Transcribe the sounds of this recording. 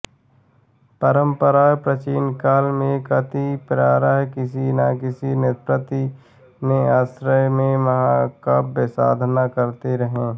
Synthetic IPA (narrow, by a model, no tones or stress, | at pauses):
pəɾəmpəɾaːjpɾət͡ʃiːnkaːlmẽkət̪ipɾaːɾaɦkɪsinakɪsinɪt̪pɾət̪i | mẽaːsɾəjmẽməɦãkapːəsa̰ːd̪ʱnakəɾt̪iɾəɦẽː